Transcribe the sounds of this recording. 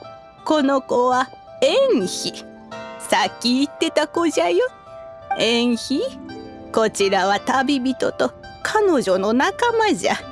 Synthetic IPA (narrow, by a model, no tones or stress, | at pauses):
ko̞no̞koβa | ẽɰ̃çi | sakʲːiːt̪ːe̞t̪ako̞ʑajo | ẽɰ̃çi | ko̞t͡ɕiɾaβat̪abʲibʲit̪o̞t̪o̞ | kʰano̞ʑo̞no̞nakamaʑa̰